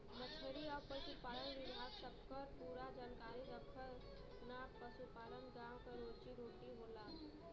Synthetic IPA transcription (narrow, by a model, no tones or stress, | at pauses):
mət͡ʃʰəɾiɔːɾpəsupaːləmʋɪbʱaːɡsɐb̚kəɾpuːɾad͡ʒaːnkaːɾiɾəkʰəɾ | naːpəsupaːləmɡaːwkaɾoːt͡ʃiɾoːʈiɦoːlaː